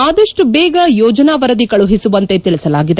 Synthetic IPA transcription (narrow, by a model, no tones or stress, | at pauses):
aːd̪ɐʂʈubɛːɡɐjɔːd͡ʒɐnaːʋɐɾɐd̪ikɐɭuɦisuʋɐnt̪e̞t̪iɭisɐlaːɡid̪e